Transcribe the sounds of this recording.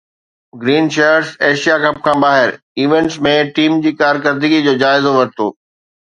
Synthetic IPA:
ɡɾiːnʃeːəɾseːʃijakʰɐp̚kʰãːbaːɦɪɾ | iːʋẽɳʈsmẽʈiːmd͡ʑiːkaːɾkəɾd̪ɪɡid͡ʑoːd͡ʑaːɪzoʋɐɾt̪o̰ː

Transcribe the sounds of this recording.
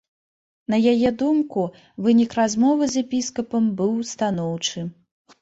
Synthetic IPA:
nɐjajɛd̪umku | vɨnʲikrazmɔvɨzʲjɛpʲiskɐpɐmbɨwst̪anɔwt͡ʂɨ

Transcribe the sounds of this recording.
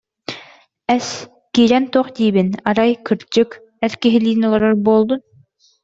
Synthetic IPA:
ɛs | kiːɾɛnt̪oχd̪iːbinaɾajkɯɾt͡ʃɯk | ɛɾkiɦiliːnɔlˠɔɾɔɾboːlˠd̪un

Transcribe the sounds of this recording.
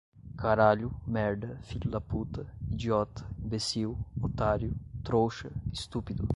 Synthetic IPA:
kʰaɾalumɛɾd̪əfilulaput̪id͡ʒiɔt̪bɛsiwɔt̪aɾjut̪ɾoʃəist̪upid̪u

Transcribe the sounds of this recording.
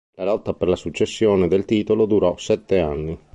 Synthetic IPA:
lalɔt̪ːaperlasut͡ʃːesːjoːned̪elt̪iːt̪olod̪uɾɔsɛt̪ːeanːi

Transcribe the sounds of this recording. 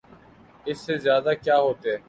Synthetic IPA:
ɪsːeːzjaːd̪aːkjaːɦoːt̪eɛː

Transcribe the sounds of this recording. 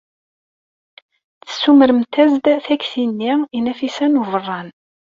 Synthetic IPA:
t͡sːə̥sːuməɾəmt̪æzd̪θæçθinːiinæfisænuvərˤːɑn

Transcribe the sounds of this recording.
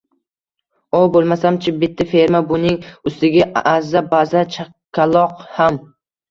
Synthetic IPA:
obolˠmasamt͡ʃʰɪbɪt̪ʰːɪfeɾmabʊnɪŋʊst̪ɪɡʲaazabazat͡ʃʰa | kʲʰːalˠɒqham

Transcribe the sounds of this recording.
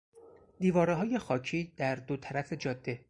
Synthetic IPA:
d̪iːvɒːɾeɦɒːje̞xɒːcʰiːd̪æɾd̪ot̪ʰæɾæfe̞d͡ʒɒːd̪ːe̞

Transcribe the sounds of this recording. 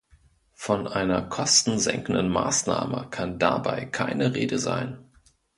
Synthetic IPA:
fɔnʔaɪnɐkʰɔstn̩zɛ̰ŋkn̩dən̩ma̰ːsnaːməkʰandabaɪkʰaɪnəʁeːdəza̰ɪn

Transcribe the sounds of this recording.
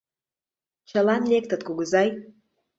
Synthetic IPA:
t͡ɕəlɑnlʲek̚t̪ə̆t̪kuɣəzɑj

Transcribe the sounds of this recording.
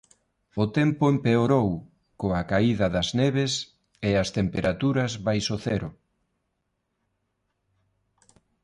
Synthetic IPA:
ʊt̪ɛmpʊempeoɾow | koakaiðɐðɐzneβes | ɪɐst̪empeɾʔat̪uɾɐzβajsoθɛɾʊ

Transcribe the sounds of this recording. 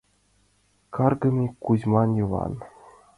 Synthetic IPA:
kɑrɡɤ̆mʲikuzmɑnjɤʋɑ̰n

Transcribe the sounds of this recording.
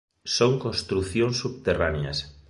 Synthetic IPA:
soŋkõnst̪ɾuθjõŋsːuβt̪eranja̰s

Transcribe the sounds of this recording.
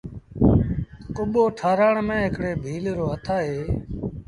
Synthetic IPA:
kʊɓoːʈʰaːɾaːɳmẽːɦɪkɽeːbʱiːlɾoːɦət̪ʰaːɦeː

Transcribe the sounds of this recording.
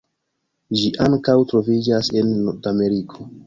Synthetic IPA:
ʒiʔaŋkawtɾo̞vid͡ʒase̞nːoɾdame̞ɾikʰo̞

